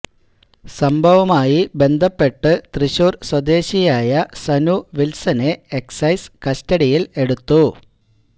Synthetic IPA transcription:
sɐmbʱɐʋɐmaːjibe̞nd̪ʱɐpːe̞ʈːɨt̪riɕuːrswɐd̪e̞ːɕijaːjɐsɐnuʋilsɐne̞eksɐjskɐstɐɽijile̞ɽut̪ːu

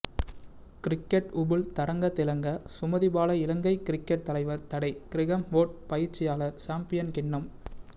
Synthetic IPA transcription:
kɪɾɪkːɛʈʊbɯlt̪ɐɾɐŋɡɐt̪ːɪlɐŋɡɐsʊmɐðɪbaːlɐɪlɐŋɡɐɪkɪɾɪkːɐʈ̚t̪ːɐlɐɪʋɐɾt̪ɐɽɐɪkɪɾɪɣɐmʋoːʈ̚pɐjɪɾt͡ʃːɪjaːlɐɾsaːmpɪjɐnkɪɳːɐm

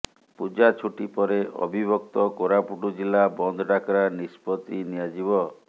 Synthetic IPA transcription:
pud͡ʒat͡ʃʰuʈipɔɾeʔɔ̰bʱibʱɔkt̪ɔkoɾapuʈud͡ʒilːabɔnd̪ʱɔɖakɾanispɔt̪inijad͡ʒibɔ

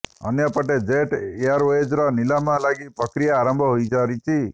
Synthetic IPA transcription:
ə̰njəpəʈed͡ʒeʈeaɾʋed͡ʒɾɔnilamãlaɡipəkɾijaːɾəmbʱɔɦoid͡ʒaɾit͡ʃʰi

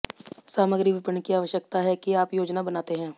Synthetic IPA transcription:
saːməɡɾiʋɪpəɳkiaːʋəʃjək̚t̪aɦɛkiaːpjoːd͡ʒnabɐnaːt̪eɦɛ̃ː

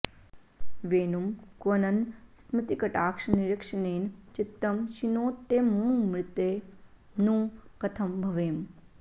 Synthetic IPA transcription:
ʋeːnumkʋɐnɐnsmit̪ikɐʈaːkʂɐniɾikʂɐneːnt͡ʃit̪ːɐmʃinoːt̪ːemũːmɾɪt̪eː | nũːkɐt̪ʰɐmbʱɐʋeːm

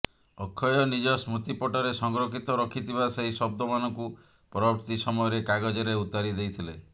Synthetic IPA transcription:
ɔkʰːɔjɔnid͡ʒɔsmut̪ipɔʈɔɾesɔŋɡɾokʰit̪ɔɾɔkʰit̪ʰiβaseɦisɔb̚d̪ɔmanɔŋku | pɾɔbɔɾt̪isɔmɔjɔɾekaɡɔd͡ʒɔɾeut̪aɾid̪ejt̪ʰile

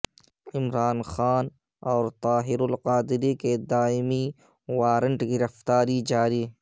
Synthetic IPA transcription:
ɪmɾaːnxaːn | ɔːɾt̪ɑːɦɪɾʊlqaːd̪ɪɾiked̪aːɪmi | waːɾəɳʈɡɪɾɐft̪aːɾid͡ʒaːɾiː

